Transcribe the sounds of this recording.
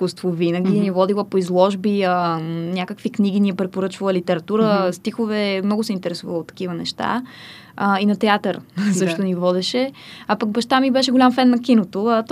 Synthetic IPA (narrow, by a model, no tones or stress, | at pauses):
skust̪vovinəɡinivɔd̪ilˠəpoizlˠɔʒbiənʲakəkvikniɡʲiniɛpɾɛpoɾɤt͡ʃvəlˠəlit̪ɛɾɐt̪uɾəst̪ixovɛmnɔɡʊsɛint̪ɛɾɛsuvəlˠot̪ːɐ̥kivənɛ̰ʃt̪a̰ | əinɐt̪ɛat̪əɾzəʃt̪onivɔd̪ɛʃɛapɐɡbɐʃt̪amibɛʃɛɡolʲamfɛnːɐkinot̪ot̪